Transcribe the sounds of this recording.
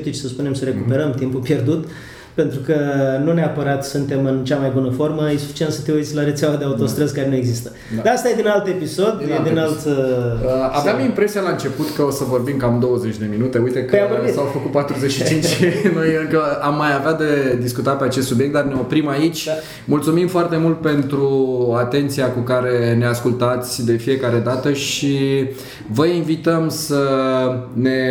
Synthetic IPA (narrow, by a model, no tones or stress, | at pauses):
p̚t̪it͡ʃʲsəspune̞msəɾe̞kupe̞ɾəmt̪impupje̞rd̪ut̪ | pe̞nt̪ɾukənuneapəɾat̪sɨnt̪e̞mɨnt͡ʃamajbunəfo̞rməjesu̥fi̥t͡ʃient̪sət̪euit̪sʲlaɾet̪sʲawad̪eaut̪o̞st̪ɾəzkaɾe̞nue̞ɡzist̪ə | d̪aast̪ajed̪inalt̪e̞piso̞d̪jed̪inalt̪əaveamimpɾe̞sijalaɨnt͡ʃe̞put̪kəosəvo̞rbimkamd̪o̞wəzet͡ʃʲd̪e̞minut̪e̞ujt̪e̞kəjavorbit̪sawfəkut̪̚pat̪ɾuzet͡ʃʃit͡ʃint͡ʃnojɨŋkəamːajavead̪e̞d̪iskut̪at̪peat͡ʃest̪subijekt̪d̪arneo̞pɾimait͡ʃʲ | mult̪sumimfoart̪e̞mult̪̚pe̞nt̪ɾuat̪e̞nt̪siakukaɾe̞ne̞askult̪at̪sʲd̪e̞fije̞kaɾe̞d̪at̪əʃi | vəinvit̪əmsə | ne̞